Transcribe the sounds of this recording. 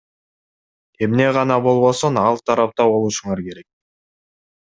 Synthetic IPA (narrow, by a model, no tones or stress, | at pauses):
e̞mne̞ʁɑnɑbo̞lˠβo̞sonɑlˠt̪ʰɑɾɑp̚t̪ɑbo̞lˠuʃuɴɑɾke̞ɾe̞k̚